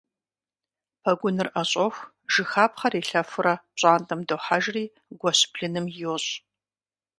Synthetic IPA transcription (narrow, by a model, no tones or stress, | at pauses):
pʰɐɡʷʊnɨrʔɐɕʼɐxʷ | ʒ̥ɨxaːpχɐriːɬɐfɨɾɐɕʼaːntʼɐmdoħaʒriː | ɡʷɔɕpʰɬɨnɨmjɪwɔɕʼ